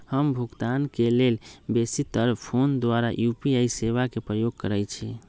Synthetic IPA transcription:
həmbʱuɡt̪ankelelbesit̪əɾpʰond̪waɾajupiaiseβakepɾəjoɡ̚kəɾɛjt͡ʃʰi

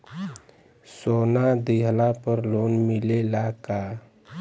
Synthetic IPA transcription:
soːnad̪iɦlapəɾlonmɪlelaka

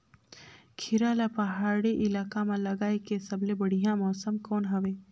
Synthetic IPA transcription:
kʰɪɾaːlapɐɦaːɽeʔɪlaːkamãlɐɡaːekesɐblebəɽ̤ijãmɔːsəmkɔːnɦɐʋeː

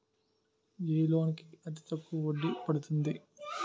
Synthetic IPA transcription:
eːlo̞ːnikiɐt̪̬i̥t̪ɐkːuʋoɖːipɐɽut̪und̪i

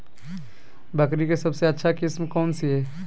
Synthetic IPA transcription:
bɐkɾikesɐbseɐtːʃʰakɪsmkɔːnsiɦɛː

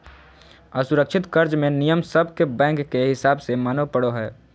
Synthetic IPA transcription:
əsʊɾəkʃʰɪt̪kɐɾd͡ʒmẽnijəmsəbʱkebɛ̃ːŋkːeɦɪsaːbsemaːnopəɽoɦɛː

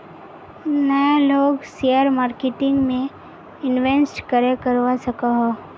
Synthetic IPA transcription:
nəeloːɡsijəɾmaːɾkeʈɪ̃ŋɡmẽ | ɪnʋensʈkəɾekəɾʋasɐkaɦoː

